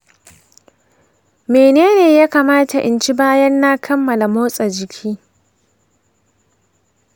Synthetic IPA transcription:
meː˨neː˦neː˨jaː˦kaː˨maː˦ta˨ʔɪ̰˨nt͡ʃi˦baː˦jɐ˦nːa˦kʰɐ˦mːɐ˨la˨moː˦sʼa˨d͡ʒɪ˨kʲʰiː˦

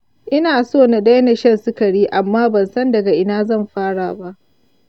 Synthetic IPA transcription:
ʔɪ˦naː˨soː˦˨na˨da˦jna˨ʃɐ˦˨nsʊ˦kɐ˨ɽiː˦ʔa˨mːaː˦bɐ˨nsɐ˦ndɐ˨ɡa˨ʔɪ˨naː˦zɐ˦˨mɸaː˦ɽaː˨ba˦ʔ

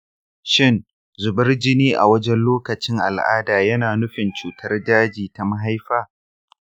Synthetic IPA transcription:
ʃɪ˦n | zʊ˨bɐ˦rd͡ʒɪ˦niː˦ʔa̰˨wɐ˦d͡ʒɛ˦nloː˦kɐ˨t͡ʃɪ˦ŋʔa̰˨lʔa̰ː˦daː˨jɐ˦naː˨nʊ˦ɸɪ˨nt͡ʃuː˨tʰɐ˦rdaː˦d͡ʒiː˨ta˨ma˦ɦa˦jɸaː˦

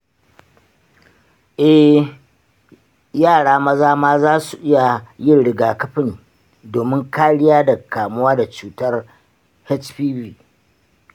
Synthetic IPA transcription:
ʔɛ˦h | jaː˦˨ɽaː˦mɐ˦zaː˦maː˦zaː˦su˨ʔɪ˦ja˨jɪ˦nɽɪ˨ɡaː˨kɐ˦ɸɪ˦n | doː˨mɪ˦ŋkaː˦ɽɪ˦jaː˦da˨kaː˨mʊ˦waː˦da˨t͡ʃuː˨tɐ˦r | hɛ˦t͡ʃɸiː˦biː˦

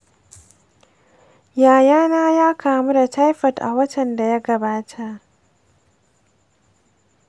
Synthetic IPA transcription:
jaː˨jaː˦naː˦jaː˦kʰaː˨mu˦da˨ta˦jɸɐ˨tʔa̰˨wɐ˦tɐ˨nda˨ja˦ɡɐ˨baː˦tʰa˦ʔ

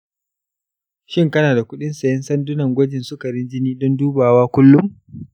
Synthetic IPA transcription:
ʃɪ˦ŋkɐ˦naː˨da˨kʷʊ˦ɗɪ˦nsɐ˨jɐ˦nsɐ˦ndʊ˦nɐ˨ŋɡʷɐ˦d͡ʒɪ˨nsʊ˦kɐ˨ɾɪ˦nd͡ʒɪ˦niː˦dɔ˦nduː˦baː˨waː˦kʷʊ˦lːʊ˦m

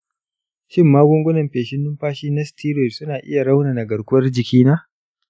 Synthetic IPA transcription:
ʃɪ˦˨mːaː˦ɡʷʊ˦ŋɡʷʊ˦nɐ˨mɸeː˨ʃɪ˦nːʊ˦mɸaː˦ʃiː˦na˦stʰiː˦ɾe˨tsʊ˦naː˨ʔɪ̰˦ja˨ɽa˦wnaː˨na˨ɡɐ˨ɽkʷʊ˦wɐ˦rd͡ʒɪ˨kʲiː˦naː˦

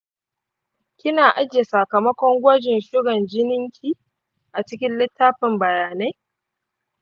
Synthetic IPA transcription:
kʲɪ˦naː˨ʔa˦d͡ʒje˨sɐ˨kɐ˨mɐ˦kʷɔ˦ŋɡʷɔ˦d͡ʒɪ˨nʃʊ˦ɽɐ˨nd͡ʒɪ˦nɪ˦ŋkʲʰiː˦ | ʔa˨t͡ʃɪ˦kʲɪ˦nlɪ˦tːaː˦ɸɪ˨mbɐ˨jaː˨na˦j

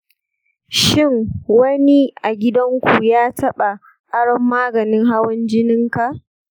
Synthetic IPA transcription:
ʃɪ˦˨ŋwɐ˦ni˦ʔa˨ɡʲɪ˦dɐ˦ŋkʷu˨jaː˦tɐ˦ɓa˨ | ʔa˦ɽɔ˨mːaː˦ɡɐ˨nɪ˦ŋɦa˦wɐ˦nd͡ʒɪ˦nɪ˦ŋka˨ʔ

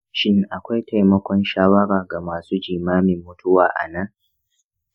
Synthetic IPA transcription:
ʃɪ˦ŋʔa˨kʷa˦jta˨jmɐ˦kʷɔ˦nʃaː˦wɐ˦ɽaː˨ɡa˨maː˨suː˦d͡ʒiː˨maː˦mɪ˨mːʊ˦tʊ˦waː˨ʔa̰˨na˦ŋ

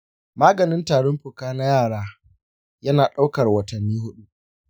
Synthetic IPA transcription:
maː˦ɡɐ˨nɪ˦ntaː˨ɽɔ˦mɸʊ˨kaː˦na˦jaː˦˨ɽaː˦ | jɐ˦naː˨ɗa˦wkɐ˨rwɐ˨tɐ˨nːiː˦ɦʊ˦ɗu˦

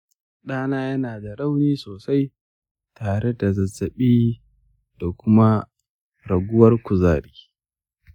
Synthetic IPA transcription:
ɗaː˦naː˦jɐ˦naː˨da˨ɾa˦wniː˦soː˨sa˦j | taː˨ɽe˦da˨zɐ˨zːɐ˨ɓiː˦ | d̥a˨kʷʊ˦ma˦ | ɾɐ˨ɡʷʊ˦wɐ˦rkʷʊ˨zaː˦˨ɾi̥ː˦

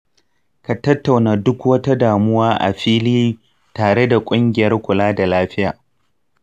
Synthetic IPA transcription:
ka˨tɐ˦tːa˨wnaː˨dʊ˦kwɐ˦ta˦daː˨mʊ˦waː˦ʔa̰˨ɸiː˦liː˦ | taː˨ɽe˦da˨kʷʼʊ˦ŋɡʲɪ˨jɐ˦rkʷʊ˨laː˦da˨laː˦ɸɪ˦jaː˨

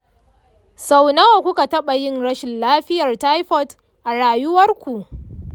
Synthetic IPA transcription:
sa˨wna˦wa˨kʷʊ˦ka˨tɐ˦ɓa˨jɪ˦nɽɐ˦ʃɪ˨nlaː˦ɸɪ˦jɐ˨rta˦jɸɔ˦t | ʔa˨ɽaː˨jʊ˦wɐ˦rkʷu˨ʔ

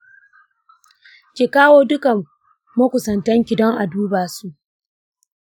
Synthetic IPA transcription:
kʲi˨kaː˦woː˦dʊ˦ka˨ | mɐ˦kʷʊ˨sɐ˨ntɐ˦ŋkʲɪ˨dɔ˦ŋʔa˨duː˦baː˨su˦ʔ

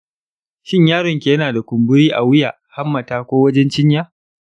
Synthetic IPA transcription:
ʃɪ˦ɲjaː˦ɽɪ˨ŋkʲe˨˦naː˨da˨kʷʊ˨mbʊ˦ɾiː˦ʔa˨wɪ˦jaː˨ha˦mːɐ˨taː˦kʷoː˦wɐ˦d͡ʒɛ˦nt͡ʃɪ˦ɲjaː˦

